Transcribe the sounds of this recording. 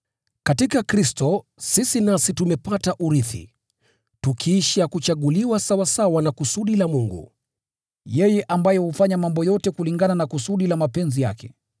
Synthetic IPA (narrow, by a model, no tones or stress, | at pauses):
katikakɾistɔ | sisinasitumɛpataʔuɾiθḭ | tukʰiːʃiakut͡ʃaɠuliwasawasawanakusuɗilamuŋɡṵ | jɛjɛʔambajɛhufaɲamambɔjɔtɛkuliŋɡananakusuɗilamapɛnzija̰kɛ